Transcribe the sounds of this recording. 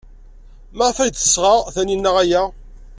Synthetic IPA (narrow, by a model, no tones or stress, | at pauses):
məʁfæj̪ə̥sːʁɑθæninːaʁæjæ